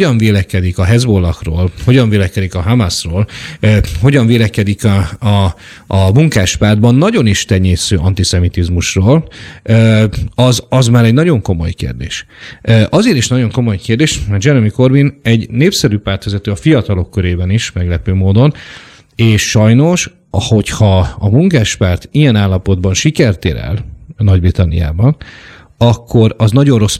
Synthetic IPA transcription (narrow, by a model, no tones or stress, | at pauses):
oɒɱveːlɛkɛd̪ikɒɦɛzbolːɒkro̰ːlho̞ɟɒɱveːlɛkɛd̪ikɒɦamasroːlː | ɦo̞ɟɒɱveːlɛkɛd̪ikɒː | muŋkaːʃpaːrd̪̚bɒnːɒɟo̞niʃt̪ɛɲːeːsøːʔɒnt̪isɛmit̪izmuʃroːløːɒzɒzmaːɾɛɟnɒɟo̞ŋko̞mo̞̰jkḛːrd̪ḛːʃʔøʔɒzeːɾiʃnɒɟo̞ŋko̞mo̞jkeːrd̪eːʃmɛd͡ʒɛɾomiko̞rbinɛɟneːpsɛɾyːpaːrt̪ʋɛzɛt̪øːɒfijɒt̪ɒlo̞kːøɾeːbɛniʃmɛɡlɛpøːmoːd̪o̞n | eːʃʃɒjno̞ʃ | ho̞chɒɒmuŋkaːʃpaːrt̪ijɛnaːlːɒpo̞d̪bɒnʃikɛrt̪ḛːɾɛ̰lnɒɟbrit̪ɒnːḭja̰ːbɒn | ɒkʰːo̞ɾɒznɒɟonro̞s